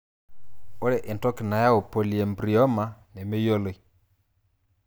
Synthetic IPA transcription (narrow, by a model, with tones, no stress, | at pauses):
o˦ɾe˨ʔe˨ntɔ˦ki˨na˨ja˦o˨po˨li˨e˨mbɾi˨ɔ˦ma˨ne˨me˦jo˦le˨i˦